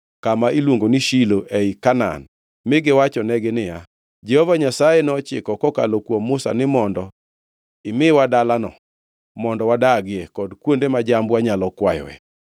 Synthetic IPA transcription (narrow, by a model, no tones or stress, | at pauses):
kamaʔilwoŋɡoniʃiloʔɛikana̰n | mɪɡɪwat͡ʃɔnɛɡɪnɪja | d͡ʒɛhɔvaɲasajenɔt͡ʃɪ̰kɔkɔka̰lokwomːʊsa̰nɪmɔndɔ | ɪmɪwadalanɔ | mɔndɔwadaɡɪɛkɔdkwondemad͡ʒambwaɲalɔkwajɔ̰wɛ̰